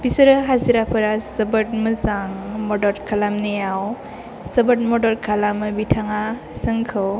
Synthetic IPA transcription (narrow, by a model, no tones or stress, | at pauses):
bisɐɾɐɦaziɾapʰɯɾasəbɯt̚məzaŋmɔdɔɾkʰalamnejaw | sɐbət̚mɔdɔɾkʰalamɯbitʰaŋa | sɯŋkʰɯw